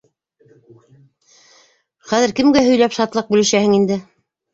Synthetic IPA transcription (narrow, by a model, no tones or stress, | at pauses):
χæðɘɾkɘ̆mɡæɦɵ̆jlæpʃɑt̪lˠɑq̚bʉlɘ̆ʃæhɘŋind̪ɘ